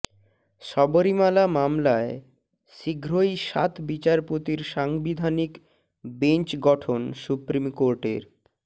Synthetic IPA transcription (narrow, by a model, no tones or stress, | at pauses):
ʃɔboɾimalamamlae | ʃiɡʱɾojʃa̰t̪bit͡ɕaɾpot̪iɾʃaŋbid̪ʱanik | bent͡ɕɡɔʈʰonsupɾimkoɾʈḛɾ